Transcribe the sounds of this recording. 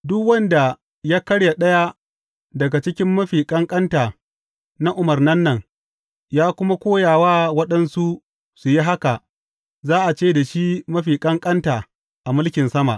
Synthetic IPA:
dʊ˦kwɐ˦nda˨ | jaː˦kɐ˦ɽja˨ɗɐ˦ja˦ | dɐ˨ɡa˨t͡ʃɪ˦kʲɪ˦mːɐ˦ɸiː˨kʼɐ˦ŋkʼɐ˦ntaː˨ | na˦ʔʊ˨mɐ˨rnɐ˦nːɐ˨ŋ | jaː˦kʷʊ˦ma˦kʷoː˦jaː˨waː˦wɐ˦ɗɐ˦nsu˦ | su˨ji˦ɦa˦ka˨ | zaː˦ʔa˨t͡ʃeː˦˨da˨ʃi˦mɐ˦ɸiː˨kʼɐ˦ŋkʼɐ˦ntaː˨ | ʔa˨mʊ˦lkʲɪ˨nsɐ˦ma̰˨ʔ

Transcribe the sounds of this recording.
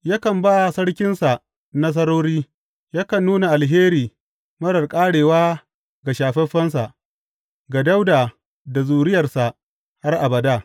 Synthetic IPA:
ja˦kɐ˨mbaː˦sɐ˦ɽkʲɪ˦nsa˨ | nɐ˦s̬ɐ˦ɾoː˦ɾiː˦ | ja˦kɐ˨nːuː˦na˨ʔa˨lɦeː˦ɾiː˨ | mɐ˦ɽɐ˨rkʼaː˦ɽeː˨waː˦ | ɡa˨ʃaː˨ɸɛ˦ɸɐ˦ns̬a˨ | ɡa˨da˦wdaː˨ | da˨zuː˨ɽɪ˦jɐ˨rsa˨ | ha˦rʔa˨bɐ˨daː˦˨

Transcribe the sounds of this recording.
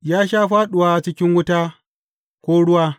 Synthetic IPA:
jaː˦ʃaː˦ɸaː˦ɗʊ˨waː˦˨t͡ʃɪ˦kʲɪ˦ŋwʊ˦taː˦ | kʷoː˦ɽʊ˦waː˦

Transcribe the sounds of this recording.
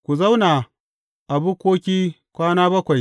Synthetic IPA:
kʷu˨za˦wna˨ | ʔa˨bu˦kʷoː˦kʲiː˦ | kʷaː˦naː˦bɐ˦kʷa˨j

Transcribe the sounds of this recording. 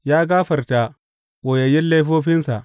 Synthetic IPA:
jaː˦ɡaː˦ɸɐ˨rta˨ | woː˨jɐ˨jɪ˦nle˦jɸoː˦ɸɪ˦nsa˨ʔ

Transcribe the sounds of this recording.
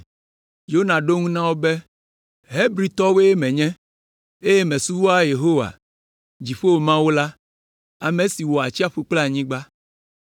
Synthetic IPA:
jo˦nã˨ɖo˦ŋũ˦nã˦wo˦be˦ | ɦe˦bɾi˨t̪ɔ˦we˦je˦mɛ̃˨ɲɛ̃˦ | e˦je˦mɛ̃˨su˦wo˦a˦je˨ɦo˦wa̰˨ | d͡ʑi˨ɸo˦wo˨mã˦wo˦la˦ | a˨mẽ˨si˨wo˨a˨t͡ɕi˦a˦ɸu˦k͡plɲĩ˦ɡ͡ba˦

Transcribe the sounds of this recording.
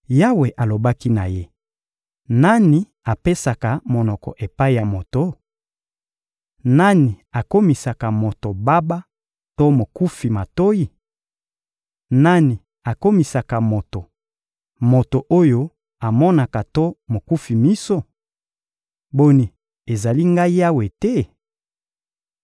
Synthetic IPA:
ja˦we˨ʔa˨lo˨ba˦ki˦na˨je˦ | na˦ni˨ | a˨pe˦sa˨ka˨mo˨nɔ˨kɔ̰˨ʔe˨pa˦i˨ja˨mo˨to˦ | na˦ni˨a˨ko˦mi˨sa˨ka˨mo˨to˨ba˦ba˦ | to˦mo˨ku˦fi˨ma˨to˦ji˨ | na˦ni˨ | a˨ko˦mi˨sa˨ka˨mo˨to˨ | mo˨to˨ʔo˦jo˦ | a˨mɔ˦na˨ka˨to˦mo˨ku˦fi˨mi˦so˦ | bo˦ni˨ | e˨za˨li˦ŋɡa˦i˦ja˦we˨tɛ˦

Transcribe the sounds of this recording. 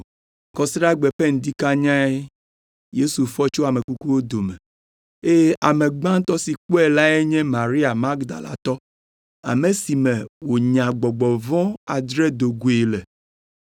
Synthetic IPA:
kɔ˨sɾa˦ɡ͡bɛ˨pɛ˦ŋ̩˨d̪i˦ka˦ɲã˦e˦ | je˦su˨fɔ˦t͡ʃo˦a˨me˨ku˦ku˦wo˦d̪o˨mɛ˨ | e˦je˦ʔa˨mẽ˨ɡ͡bã˦ŋ˦t̪ɔ˦si˨k͡po˦ɛ˨la˦e˦ɲɛ̃˦mã˨ɾi˦a˨ma˦ɡd̪a̰˨la̰˨t̪ɔ˦ | a̰˨me˨si˨mɛ̃˨wo˨ɲã˨ɡ͡bɔ˨ɡ͡bɔ˨vɔ̃˦a˨d̪ɾɛ˦d̪o˨ɡu˨e˨lɛ˨

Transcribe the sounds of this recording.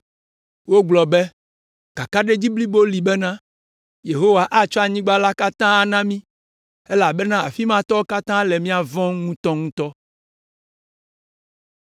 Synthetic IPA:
wo˦ɡ͡blɔ˨be˦ | ka˨ka˦ɖe˦d͡ʑi˦bli˦bo˦li˨bɛ˦nã˦ | je˨ɦo˦wa˨ʔa˦t͡ʃɔ˦a˨ɲĩ˦ɡ͡ba˦la˦ka˦t̪ã˦a˨nã˦mĩ˦ | ɛ˦la˨bɛ˦nã˦a̰˨fi˦mã˦t̪ɔ˦wo˦ka˦t̪ã˦lɛ˨mĩ˦a˨vɔ̃˦ŋŋũ˦t̪ɔ˦ŋũ˦t̪ɔ˦

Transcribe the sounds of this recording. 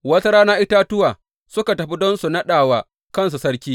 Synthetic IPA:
wɐ˦sɐ˦ɾaː˦naː˦ʔɪ˦taː˦tʊ˦waː˨ | sʊ˦ka˨tɐ˨ɸi˦dɔ˦nsu˨na˦ɗaː˨waː˨ | kɐ˦˨ns̬u˨sɐ˦ɾkʲiː˦

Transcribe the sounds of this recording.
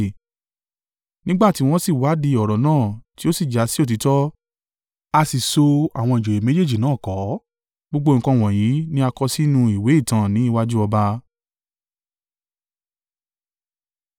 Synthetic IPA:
nĩ˦ɡ͡ba˦˨ti˨˦w̃ɔ̃˦si˦˨wa˨˦di˧ɔ˨ɾɔ˨nãː˦˨ti˦o˦si˦˨d͡ʒa˨˦si˦o˦˨t̬i˨˧˦tɔ˦ | a˧si˨so˧a̰˨w̃ɔ̃˧i˨d͡ʒo˨e˨me˨˦d͡ʒe˦˨d͡ʒi˨nãː˦˨kɔ˨˦ | ɡ͡bo˦ɡ͡bo˦˨ŋ̩˨kɔ̃˧˨w̃ɔ̃˨jĩ˨˦nĩ˦a˧kɔ˧si˦nũ˧i˨we˨˦i˦˨tã˧˦nĩ˨˦i˦˧wa˦d͡ʒu˦ɔ˧ba˧

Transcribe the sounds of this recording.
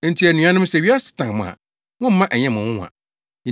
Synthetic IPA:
n̩˦tʰi˦æ˨nũ˨˦ã˦nʊ̃˦m˦sɛ˨ɥi˦a˦sɪ̥˨tʰã˨mʊ̰̃˨a̰˨ | wʊ̃˦m̩˦mã˦ʔæ˨ɲɛ̃˦mʊ̃˨wʊ̰̃˦˨ã̰˨

